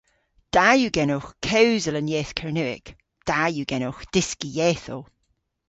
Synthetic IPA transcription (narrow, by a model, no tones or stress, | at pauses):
d̥ajuɡɛnoxkʰɛwzələnjɛːθkʰəɹnʉɪ̰k | d̥ajuɡ̥ɛnoxd̥ɪskijɛːθol